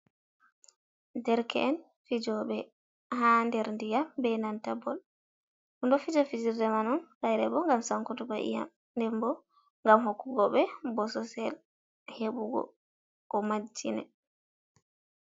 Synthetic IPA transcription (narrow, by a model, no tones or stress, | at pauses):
dɛɾkɛ̰ʔɛn | fid͡ʒɔɓɛ | handɛɾndijambɛnantabɔl | undɔfid͡ʒɔfid͡ʒiɾdɛmanɔnkajɾɛbɔŋɡamsaŋkutubaʔḭja̰m | ndɛmbɔ | ŋɡamɦokːuɡɔɓɛbɔsɔsɛl | heɓuɡɔ̰ | kɔmad͡ʒːinɛ̰